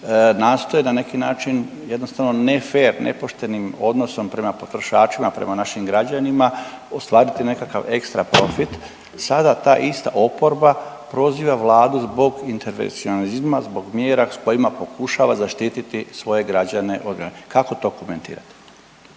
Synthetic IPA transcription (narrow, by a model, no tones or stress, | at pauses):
naːst̪o̞jenane̞kinaːt͡ʃin | je̞d̪nost̪aʋno̞nefeːɾnʔḛpo̞ʃt̪e̞nimo̞d̪no̞so̞mpɾe̞mapo̞t̪ɾo̞ʃaːt͡ʃimapɾe̞̰manaʃimɡɾad͡ʑanima | o̞st̪ʋaːɾit̪ine̞kaka̰ʋe̞kst̪ɾapɾo̞fit̪ | sad̪at̪aːʔist̪a̰ʔo̞po̞ɾba | pɾo̞ziːʋaʋlˠaːd̪uzbo̞ɡint̪eɾʋḛnt̪sionalizmazbo̞ɡmjeːɾasko̞imapo̞kuʃaʋazaʃt̪iːt̪it̪isʋo̞je̞ɡɾad͡ʑane̞ʔod̪ɡɾanekako̞t̪o̞koment̪ḭːɾa̰t̪i̥